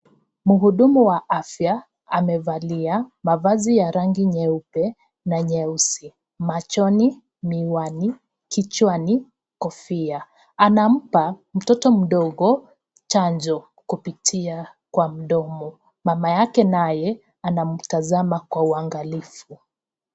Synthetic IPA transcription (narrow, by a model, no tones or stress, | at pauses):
muɦuɗumuwaʔafja | amɛvaliamavazijaɾaŋɡiɲɛupɛ | naɲɛusi | mat͡ʃɔni | miwani | kit͡ʃwani | kɔfia | anam̩pam̩tɔtɔm̩ɗɔɣɔ | t͡ʃaɲd͡ʒɔ | kupitʰia | kwam̩ɗɔmɔ | mamajakɛnajɛ | anam̩tazamakwauaŋɡalifu